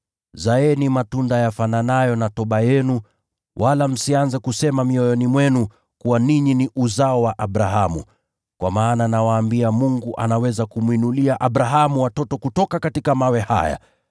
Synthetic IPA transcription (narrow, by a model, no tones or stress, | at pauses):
zaɛnimatundajafananajɔnatɔɓajɛnu | wʔalam̩sianzɛkusɛmamiɔjɔnimwɛnu | kuwaniɲiniʔuzaɔwaʔaɓɾaɦamṵ | kwʔa̰maːnanawaːmbiamuŋɡuʔa̰nawɛzakumwinuliaʔaɓɾaɦamuwatɔtɔkutɔkakatikamawɛha̰ja̰